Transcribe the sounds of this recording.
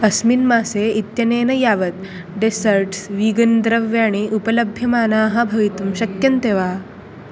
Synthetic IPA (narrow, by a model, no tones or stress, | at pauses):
ɐsminmaːseit̪jɐneːnɐjaːʋɐt̪̚ | ɖesɐɾʈsʋiːɡɐnd̪ɾɐʋjaːɽ̃iʔupɐlɐbʱjɐmaːnaːɦɐbʱɐʋit̪umɕɐkjɐnt̪eʋaː